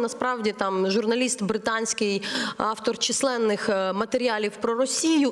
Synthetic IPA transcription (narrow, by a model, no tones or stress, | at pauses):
nɐspɾɑwdʲit̪ɑmʒʊrnɐlʲist̪bɾɪt̪ɑnʲsʲkɪjɑft̪ɔrt͡ʃɪslˠɛnːɪxmɐt̪eɾʲiɑlʲiwpɾɔrɔsʲijʊ